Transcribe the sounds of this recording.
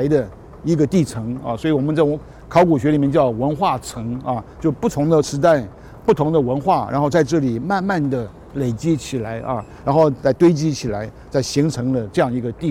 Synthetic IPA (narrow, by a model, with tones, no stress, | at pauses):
ɪd̪ə˧ | i˧˥ɡə˧t̪i˥˩ʈ͡ʂʰɤ˧˥ŋɐ̰˧˩swɔ˧˥i˨˩wɔ˨˩mə˦nt͡sa˥˩˧ | kʰɑ˧˥ʊku˨˩ɕɥɛ˧˥li˨˩mjɛ˥˧t͡ɕjɑ˥˩ʊwə˧˥nxwa˥˩ʈ͡ʂʰɤ˧˥ŋɐ˧t͡ɕjo˥˩ʊpu˥˩t̪ʰʊ˧˥ŋd̪ə˧˨ʂɻ̩˧˥t̪a˥˧ɪ | pu˥˩t̪ʰʊ˧˥ŋd̪ə˧wə˧˥nxwa˥˩ɻʔa̰˧˥nxo˥˧t͡sa˥˧ɪʈ͡ʂɤ˥˩li˨˩ma˥˧nma˥˩nd̪ə˩ | le˨˩ɪt͡ɕi˥t͡ɕʰi˨˩la˧˥ɪʔɐ̰˥˧ɻa˧˥nxo˥˧ʊt͡sa˥˩ɪt̪we˥ɪt͡ɕi˥t͡ɕʰi˨˩la˧˥ɪ | t͡sa˥˩ɪɕi˧˥ŋʈ͡ʂʰɤ˧˥ŋlə˧ʈ͡ʂɤ˥˧jɑ˥˩ŋi˧˥ɡə˧t̪i˥˧